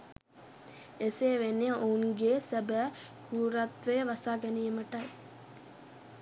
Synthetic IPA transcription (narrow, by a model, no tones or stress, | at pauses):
eseːʋenːejəʔouŋɡeːsæbæːkʰuːɾat̪ʋejʋasaːɡɛnijəməʈɐj